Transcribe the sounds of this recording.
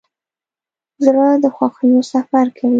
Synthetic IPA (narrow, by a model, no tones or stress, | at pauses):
zɾəd̪əxwɑxənosafaɾkʰawi